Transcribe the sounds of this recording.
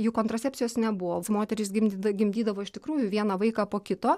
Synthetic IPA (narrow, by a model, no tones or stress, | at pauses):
juːkoːnt̪ɾɐsʲɛːpʲt͡sʲsʲɪjoːsnʲɛbʊʋoːmoːt̪ʲɛɾʲɪsɡʲɪmʲɡʲɪmʲd̪ʲiːd̪ɐʋoːɪʃt̪ʲɪkɾuːjʊʋʲiɛnɐʋɐɪkɑːpoːkʲɪt̪oː